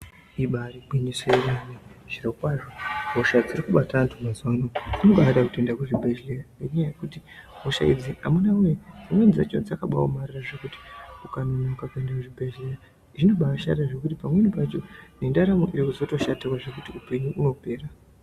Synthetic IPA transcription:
iɓaɾiɓiniseewaneʐ̥irokwaʐoɦo̞ʃad͡zirikuɓatantʰumazwanoino̞ɓaaɗakute̞ndakuʐibʱeʒlejaŋɡeɲajaje̞kutiɦo̞ʃa̰id͡ziamunawujeamwenzia̰t͡ʃond͡zakaɓwa̰o̰mariraʐe̞kuti̥ukanonokakue̞ndakuʐibʱeʒleja | ʐino̞ɓaʃa̰ɾaʐe̞kutipamwe̞nipat͡ʃo̞ne̞ndaɾamoʔiɾikuzo̞to̞ʃatirwaʐe̞kutiupe̞ɲuʔuno̞pe̞ːra

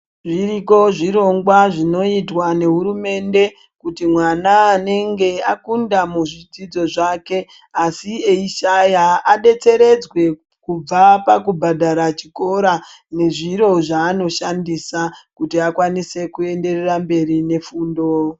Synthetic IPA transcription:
ʐiriko̞ʐiɾo̞ŋɡwaʐino̞itwane̞ɦuɾume̞nde̞ | kutimwanaːne̞ŋɡe̞akundamuʐid͡zid͡zo̞ʐake̞ | asieiʃajaaɗe̞t͡se̞ɾe̞d͡zwe̞ | kub͡vapakubʱadʱaɾat͡ʃiko̞ɾa | ne̞ʐiɾo̞ʐaːno̞ʃandisakutiakwanise̞kue̞nde̞re̞rambe̞rine̞fuːndo

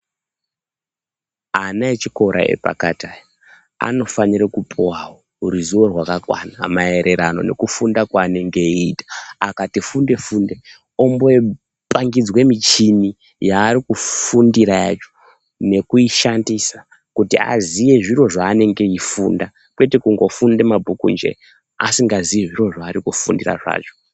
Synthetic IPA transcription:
anaet͡ʃiko̞ɾa̰ḛpa̰katajo | a̰no̞faniɾekupʰuwawo | ɦuɾizuwo̞rwakakwa̰namae̞ɾe̞ɾano̞̰ne̞̰kufundakwaːne̞ŋɡe̞iitḁakatifunde̞funde̞ | o̞mboe | pʼaŋɡid͡zwe̞mit͡ʃini | jaːɾikufundiɾaja̰ːt͡ʃo̥ | ne̞kuiʃandisa | kutia̰zije̞ʐiro̞ʐaːne̞ŋɡe̞ifunda | kwe̞tekuŋɡo̞funde̞mabʱukṵnd͡ʒe̞̰ | asiŋɡazijeʐiro̞ʐaːrikufundira̰ʐa̰ːt͡ʃo̥

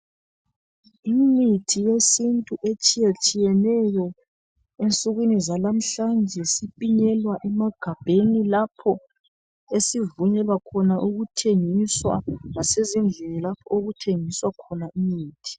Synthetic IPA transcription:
imitʰijesintʼuʔet͡ʃʼijet͡ʃʼijɛnɛjɔ | ent͡sʼuɣwinizalam̩ɬand͡ʒʱɛsipʼiɲɛlwaʔɛmaɡ̥ʱab̥ʱenilapʰɔ | esivuɲɛlwakʰɔnaʔuɣutʰeŋiswa̰ŋasezind͡ɮʱenilapʰɔoɣutʰeŋiswakʰɔnaʔimiːtʰi̥

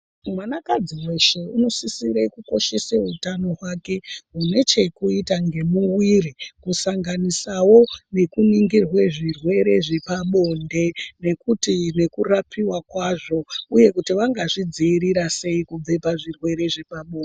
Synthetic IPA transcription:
umanakad͡ziwoʃeuno̞sisiɾeikuko̞ʃe̞seutano̞ɦwake̞ɦune̞t͡ʃe̞kuitaŋɡe̞muwirikusaŋɡanisawo̞ne̞kuniŋɡirwe̞ʐirwe̞ɾe̞ʐe̞paɓo̞nde̞ne̞kutine̞kurapʰiwakwaʐo̞uje̞kutiʋaŋɡaʐid͡ziːɾiɾase̞ikub͡ve̞paʐirwe̞ɾe̞ʐe̞paɓo̞ːnde

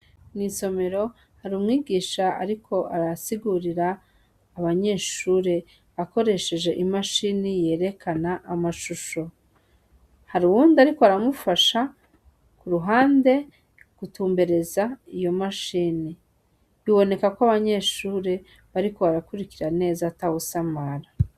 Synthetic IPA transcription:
niso̞me̞ɾo̞ | haɾumŋiːɡiːʃaa̰ɾikʰo̞ʔaɾasiɡuɾiɾaː | βaɲe̞ːʃuːɾe̞ | βako̞ɾe̞ʃe̞ʒe̞ʔimaʃiːnije̞ːɾe̞kʰanaʔːmaʃuʃo̞ | haɾuwuːndiaɾikoaɾamufaʃa | kuɾuɦaːnde̞ | ɡ̥utuːmbe̞ɾe̞zaijo̞maʃiːni | βiβo̞ne̞kakwoaβaɲe̞ʃuːɾe̞ | βaɾiko̞βaɾakuɾikiɾane̞ːzatawusamaɾa

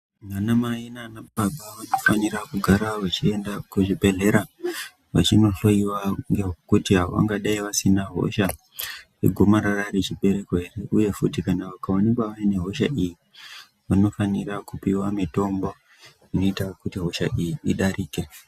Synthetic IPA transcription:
manamaenanabaɓaʋano̞fanirakuɡʱaɾaʋat͡ʃie̞ndakuʐibʱe̞ɮe̞ɾa | ʋa̰t͡ʃino̞ɬo̞iwaŋɡekutiɦao̰ʋa̰ŋɡaɗaiʋasinaɦo̞̰ʃa | ḛɡʱomaɾararet͡ʃiɓe̞ɾe̞ko̞ɦe̞re̞ʔuje̞futikanaʋakaonikwaʋaine̞ɦo̞ʃaʔiji | ʋano̞faniɾakupiwamito̞mbo̞ | ino̞itaokutiɦo̞ʃa̰ʔijiːɗariːke

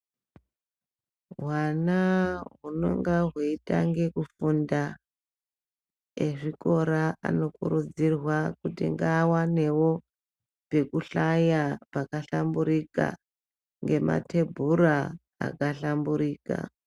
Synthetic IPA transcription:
ɦwanaɦuno̞̰ŋɡaɦweitaŋɡe̞kufunda | eʐiko̞ɾaa̰no̞kuɾud͡zirwakutḭŋɡaːwane̞wo̞ | pe̞kuɬajapakaɬambuɾika̰ | ŋɡe̞ma̰tʰe̞bʱuɾa | a̰kaɬambuɾiːka̰

